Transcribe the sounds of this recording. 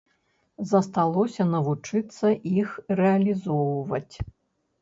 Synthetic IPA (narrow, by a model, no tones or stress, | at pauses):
zɐst̪alˠɔsʲɐnɐvut͡ʂɨt̪sːɐʔixrɛɐlʲizɔwvɐt͡sʲ